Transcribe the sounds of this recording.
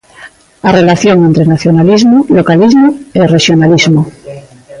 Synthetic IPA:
are̞laθjoŋe̞nt̪ɾenaθjonalizmolo̞kalizmoereʃjonalizmo

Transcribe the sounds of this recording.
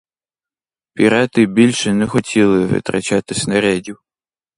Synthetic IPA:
pʲiɾɛt̪ɪbʲilʲʃɛnɛxɔtʲʰilˠɪʋɪ̰t̪ɾɐ̰t͡ʃat̪ɪsʲnɐɾɛdʲiw

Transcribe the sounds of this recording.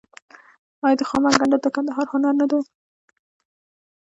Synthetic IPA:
ɑjɑd̪əxɑmaɡaɳɖad̪əkand̪aɦɑɾhʊnaɾnad̪e

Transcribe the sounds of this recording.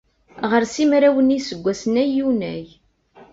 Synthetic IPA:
ʁəɾsimɾæwənisəɡʷːæsnæjːunæ̰j

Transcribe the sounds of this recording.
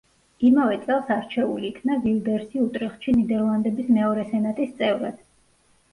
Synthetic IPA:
imavɛt̪sʼɛlˠsaɾt͡ʃʰɛṵliːkʰnavild̪ɛɾsiut̪ʼɾɛχʃinid̪ɛɾlˠand̪ɛbismɛɔɾɛsɛnat̪ʼist̪sʼɛvɾad̪̥

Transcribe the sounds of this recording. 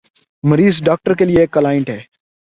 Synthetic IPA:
məɾiːzɖaːk̚ʈəɾkelieːkːəlaːɪ̃ɳʈɦɛː

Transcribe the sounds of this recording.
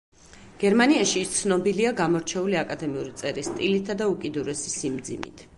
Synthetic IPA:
ɡ̥ɛɾmaniaʃit̪sʰnɔbiliaɡamɔɾt͡ʃʰɛuliakʼad̪ɛmiuɾit̪sʼɛɾist̪ʼilit̪ʰːad̪aukʼid̪uɾɛsisimd̪zḭmḭt̪ʰ

